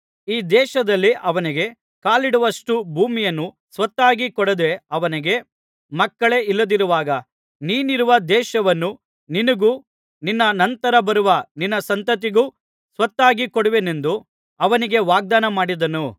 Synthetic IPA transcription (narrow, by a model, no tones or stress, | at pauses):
iːd̪ɛːʃɐd̪ɐlːiʔɐʋɐniɡe̞ | kaːliɽuʋɐʂʈubʱuːmijɐnːu | sʋɐt̪ːaːɡikɔɽɐd̪e̞ɐʋɐniɡe̞ | mɐkːɐɭe̞ilːɐd̪iɾuʋaːɡɐ | niːniɾuʋɐd̪ɛːʃɐʋɐnːu | ninɐɡu | ninːɐnɐnt̪ɐɾɐbɐɾuʋɐninːɐsɐnt̪ɐt̪iɡu | sʋɐt̪ːaːɡikɔɽuʋene̞nd̪u | ɐʋɐniɡe̞ʋaːɡ̚d̪aːnɐmaːɽid̪ɐnu